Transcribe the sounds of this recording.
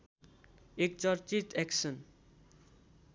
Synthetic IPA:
ek̚t͡sʌɾt͡sit̪ɛksʌn

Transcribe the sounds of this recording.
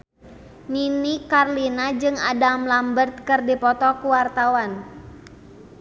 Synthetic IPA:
ninikarlinad͡ʒɨŋa̰damlambərt̪̚kɨrdipɔt̪ɔkuwart̪awan

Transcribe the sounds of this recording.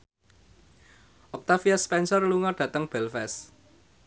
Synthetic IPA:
ʔɔk̚t̪afiaspɛnsɔrluŋɔɖ̥ä̤t̪əŋb̥ɛlfɛs

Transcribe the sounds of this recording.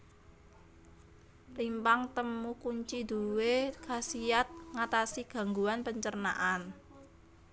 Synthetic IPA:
rimpaŋt̪əmukuɲt͡ʃid̪̥ṳwekasiat̪̚ŋat̪asiɡ̥a̤ŋɡuanpəɲt͡ʃərnaʔan

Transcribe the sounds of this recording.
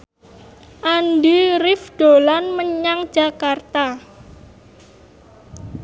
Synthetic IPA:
ʔanɖiɾɪfɖ̥olanməɲaŋd͡ʒa̤kart̪a

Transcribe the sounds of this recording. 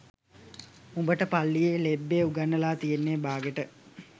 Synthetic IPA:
umbəʈəpalːijelebːeːuɡanːəlaːt̪ijenːeːbaːɡəʈə

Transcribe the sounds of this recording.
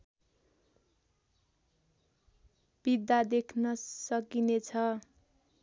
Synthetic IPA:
b̥id̪ad̪ekʰnʌsʌkinet͡sʰʌ

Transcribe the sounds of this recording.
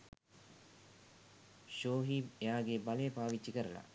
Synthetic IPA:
ʃoːɦiejaːɡebalejəpaːʋit͡ʃːikəɾəla̰

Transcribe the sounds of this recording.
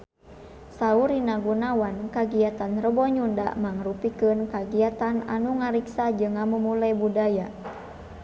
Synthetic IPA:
sauɾinaɡunawankaɡiat̪anrəbɔɲunda̰ʔmaŋɾupikɨnkaɡiat̪ana̰nuŋaɾiksad͡ʒɨŋamumulajbudaja

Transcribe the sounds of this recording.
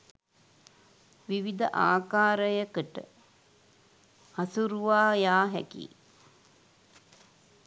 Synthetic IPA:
ʋiʋid̪əʔaːkaːɾəjəkəʈə̰ | hasuɾuʋaːjaːɦɛkḭː

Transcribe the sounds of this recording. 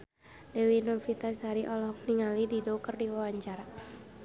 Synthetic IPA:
dɛwinofit̪ashaɾiʔɔlɔhɔk̚niŋalididɔkərdiwawaɲt͡ʃaɾa

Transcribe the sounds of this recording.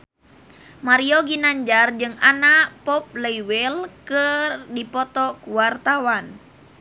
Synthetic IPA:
maɾiɔɡinaɲd͡ʒard͡ʒɨŋanaʔpɔp̚lɛiwɛlkɨrdipɔt̪ɔkuwart̪awan

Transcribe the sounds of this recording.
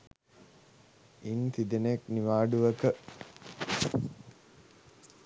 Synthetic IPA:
int̪id̪enekniʋaːɖuʋəkə

